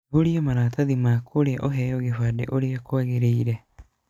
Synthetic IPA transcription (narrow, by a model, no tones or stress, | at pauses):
oɾiomaɾaːtaðimakoɾeaʔoɦɛjoɣefadḛʔoɾeakoaɣeɾeiɾɛ